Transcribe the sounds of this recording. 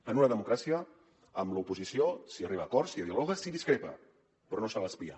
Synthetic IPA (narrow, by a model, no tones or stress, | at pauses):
ənunəðəmukɾasiə | əmləupuzisiosiəriβ̞aːkɔɾsiəðialɔɣəsiðiskɾepə̰ | pɾɔnosaβaspia̰